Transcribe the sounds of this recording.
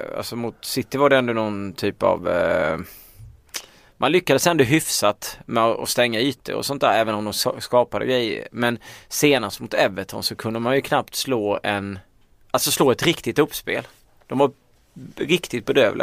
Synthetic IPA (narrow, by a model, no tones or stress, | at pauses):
a̰lsɔmʊt̪sɪt̪ːɪvaɖɛɛnd̪ɔnɔnt̪ʰyːpa̰v | mʔanlʏkːad̪əsɛnd̪ɔɦʏfsat̪mɛɔɔ̰st̪ɛŋːayːt̪̚d̪ɛ̰ɔ̰sɔnt̪æ̰ːɾɛːvənɔmd̪ɔmsskɑːpad̪ə̰ɡɾɛjːə̰ɾmɛnseːnast̪mʊt̪ɛvːət̪ʰɔ̰nsɔkʰɵnd̪əmanjɵkʰnapt̪sloːɛn | ʔalsɔsloːɛt̪ɾɪkt̪ɪt̪ɵpːspḛːl | d̪̥ɔmva | ɾɪkt̪ɪt̪̚bɛd̪øːvlʔɪ̰